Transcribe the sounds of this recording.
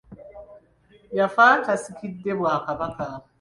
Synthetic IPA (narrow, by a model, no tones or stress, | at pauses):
jafaːtasikʰidːebaːkabaka